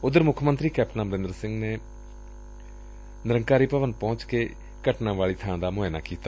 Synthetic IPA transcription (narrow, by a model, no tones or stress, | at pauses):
ʊd̪əɾmʊkʰmənt̪ɾiːkɛːp̚ʈnaːməɾɪ̃nd̪əɾsɪ̃ŋɡneː | nɪɾəŋkaːɾiːpəʋənpɔ̃ːt͡ʃkeː | kəʈnãːʋaːɭiːt̪ʰãːd̪aːmʊeːna̰ːkiːt̪aː